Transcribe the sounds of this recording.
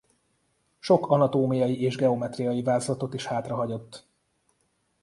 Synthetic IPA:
ʃo̞kɒnɒt̪oːmijɒjiʔeːʒɡɛo̞mɛt̪rijɒjivaːzlɒt̪o̞t̪iʃhaːt̪rɒɦɒɟo̞t̪ː

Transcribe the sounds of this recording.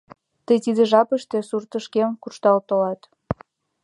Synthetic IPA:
t̪əjt̪id̪əʒɑpəʃt̪esurt̪əʃkemkuʃt̪ɑlt̪olɑt̪

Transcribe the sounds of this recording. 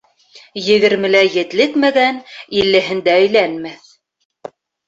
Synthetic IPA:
jɘ̆ɡɘ̆ɾmɘ̆læjɘ̆t̪lɘkmæɡænilːɘ̆ɦɘ̆nd̪æɵ̆jlænmæθ

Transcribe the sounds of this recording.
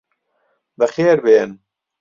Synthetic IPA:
bəxeːɾbeːn

